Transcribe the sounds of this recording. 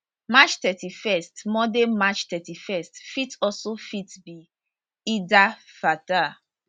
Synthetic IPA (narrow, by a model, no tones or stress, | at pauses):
mat͡ʃtɛtifɛstmɔdemat͡ʃtɛtifɛstfitɔsofitbi | idafata